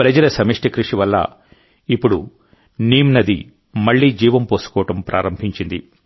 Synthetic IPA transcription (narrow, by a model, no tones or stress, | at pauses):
pɾɐd͡ʒɐlɐsɐmiʂʈɐkɾuʂiʋɐlːɐ̰ | ipːuɽṵ | niːmnɐd̪i | mɐɭːiːd͡ʒiːʋɐmpoːsu̥kɔːɐʈɐmpɾʔa̰ːɾɐmbʱiɲt͡ʃind̪ḭ